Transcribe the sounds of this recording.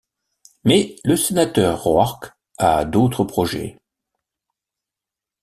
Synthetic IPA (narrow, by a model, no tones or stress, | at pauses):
mɛləsenat̪œʁːwaʁk | a̰d̪ot̪χəpχɔʒɛ̰